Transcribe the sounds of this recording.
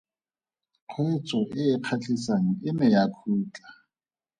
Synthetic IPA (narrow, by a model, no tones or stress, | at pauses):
q͡χʰɔet͡sʼɔʔɪːq͡χʰat͡ɬʼisaŋ̩ɪmɪjakʰuːt͡ɬʼḁ